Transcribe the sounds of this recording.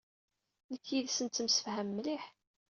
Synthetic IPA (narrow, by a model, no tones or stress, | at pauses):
nəkːjiðsənt̪ːəmsə̥fhəmːliħ